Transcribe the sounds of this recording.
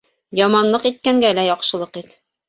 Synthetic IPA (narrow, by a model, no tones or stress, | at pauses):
jɒmɑnlˠɤqit̪̚kæŋɡælæjɒqʃɤ̆lˠɤqit̪